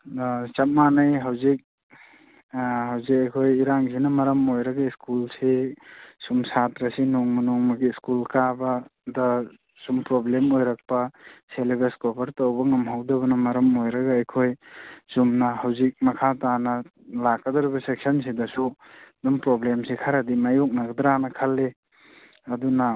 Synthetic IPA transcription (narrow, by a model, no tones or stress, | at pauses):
t͡ʃɐm̚manɐjɦɐwzik̚ | hɐwzik̚ɐjkʰojiɾaŋzinɐmɐɾɐmojɾɐɡɐiskulse | sumsatɾɐsinoŋmɐnoŋmɐɡiːskulkabɐdɐ | sumpɾoblemojɾak̚pɐselebeskobɐɾtowbɐŋɐmɦawdɐbɐnɐmɐɾɐmojɾɐɡaːjkʰojsumnɐhɐwzik̚mɐkʰatanɐ | lakːɐdɐɾibɐsek̚sɐnsidɐsu | dumpɾoblemsikʰaɾɐdimajok̚nɐɡɐd̪ɾanɐkʰɐlːe | ɐdunɐ